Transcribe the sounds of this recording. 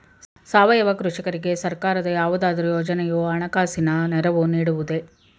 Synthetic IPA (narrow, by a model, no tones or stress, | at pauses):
saːʋɐjɐʋɐkɾuʂikɐɾiɡe̞sɐɾkaːɾɐd̪ɐjaːʋud̪aːd̪ɐɾujoːd͡ʒɐnɛjoɐɳɐkaːsinɐnɛɾɐʋuniːɽuʋud̪e